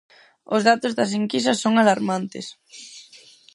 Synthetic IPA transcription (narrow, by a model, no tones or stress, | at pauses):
ʊzðat̪ozðɐsiŋkis̬ɐsoŋalaɾmant̪ɪ̰s